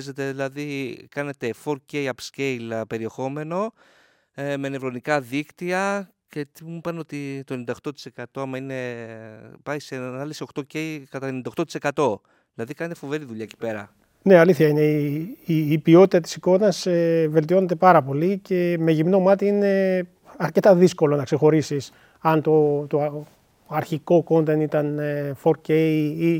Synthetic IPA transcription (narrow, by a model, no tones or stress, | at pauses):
ze̞t̪e̞ðilɐðikɐne̞t̪e̞fo̞ɾce̞jɐpsce̞jlpe̞ɾie̞xo̞me̞no̞ | emenevɾo̞nikɐðikt̪iɐ | cet̪imupɐneo̞t̪it̪o̞enind̪ɐoxt̪o̞t̪i̥se̞kɐt̪o̞ɐmɐine̞ | pɐjsenɐliso̞xt̪o̞ce̞jkɐt̪ɐenind̪ɐot̪ot̪i̥se̞kɐt̪o̞ | ðilɐðikɐne̞t̪e̞fo̞ve̞ɾiðuʎɐeci̥pe̞ɾɐ̰ | ne̞ɐliθçɐine̞iiːpio̞t̪it̪ɐt̪i̥siko̞nɐseve̞lt̪io̞ne̞t̪e̞pɐɾɐpo̞lice̞me̞ʝimno̞mɐt̪iine̞ | ɐɾce̞t̪ɐðisko̞lo̞nɐkse̞xo̞ɾisis | ɐnt̪o̞t̪o | ɐɾçiko̞ko̞nt̪e̞nit̪ɐnefo̞ɾcei